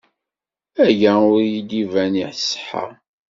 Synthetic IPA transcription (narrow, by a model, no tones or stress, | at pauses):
æʝæʊɾjid̪ivæniħsħa̰